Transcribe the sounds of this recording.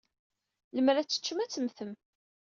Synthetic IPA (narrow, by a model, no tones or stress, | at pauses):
ləmɾæt͡sːə̥t͡ʃːəmæt͡sːəmθəm